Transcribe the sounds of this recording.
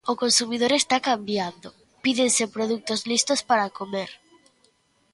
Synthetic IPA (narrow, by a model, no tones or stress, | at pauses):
ʊkonsumið̞oɾest̪akambjand̪o | piðensepɾoð̞uk̚t̪ozlist̪ospaɾakomeɾ